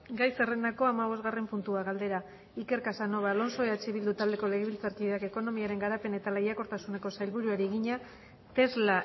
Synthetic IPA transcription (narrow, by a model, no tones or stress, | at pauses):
ɡajsere̞nd̪ako̞amaβ̞o̞zɣare̞mpunt̪uaɣald̪e̞ɾa | ike̞ɾkasano̞βalo̞nso̞eat͡ʃeβild̪ut̪ald̪e̞ko̞leɣeβilt͡saɾkiðeake̞ko̞no̞miaɾe̞ŋɡaɾape̞ne̞t̪alajako̞ɾt̪asune̞ko̞sajlβuɾuaɾiɣiɲa | t̪e̞zla